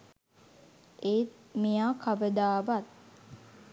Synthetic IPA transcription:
ʔeit̪̚ | mijaːkʰaʋəd̪aːʋat̪̚

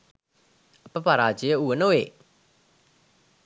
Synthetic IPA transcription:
ɐpəpaɾaːd͡ʒejəuənoʋeː

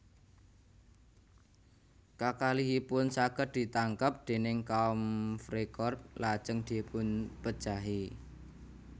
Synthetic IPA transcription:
kakaliɦipʊnsaɡər̚d̪̥i̤t̪aŋkəp̚d̪̥e̤nɪŋkaɔmfɾekɔrt̚lad̥ʒ̥əŋd̪̥epʊnpəd̥ʒ̥a̤ɦi

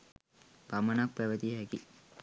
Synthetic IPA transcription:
pamənak̚pæʋət̪iɦɛki

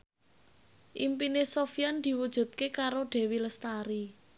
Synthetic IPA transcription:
ʔimpinesofijand̪̥i̤wud̥ʒ̥ṳt̪̚kekaɾoɖ̪̥e̤wiləst̪aɾi

